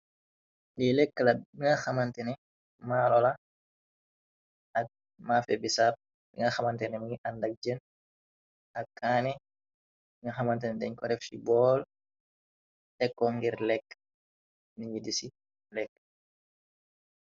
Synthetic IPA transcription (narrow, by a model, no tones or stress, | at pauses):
lilɛkːəlɐiŋɐxɐmɐntɛnɛ | maːlɔla | ʔɐk̚ | mafɛbisap̚ | biŋɐxɐmɐntɛnɛmiŋiʔɐndɐk̚d͡ʒən | ɐkːaːnɛ | iŋɐxɐmɐntɛnɛdɛɲkɔɾɛfsibɔːl | tɛkːɔŋɡiɾlɛkː | niɲidisi | lɛkː